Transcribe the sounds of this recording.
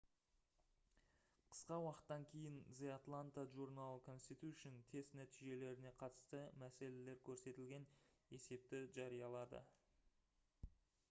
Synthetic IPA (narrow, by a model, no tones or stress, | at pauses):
qʰə̥sqɑwɑqə̥t̪ːɑŋkʲʰe̞jɪnzeat̪lˠant̪aʒuɾnalˠkʰo̞nst̪it̪uʏʃɪnt̪ʰe̞st̪næt̪iʒe̞le̞ɾɪne̞qʰɑt̪ə̥st̪əmæse̞le̞le̞ɾkʲʰɵɾse̞t̪ɪlɡʲe̞ne̞se̞p̚t̪ɪʒɑɾijɑlˠɑd̪ə̰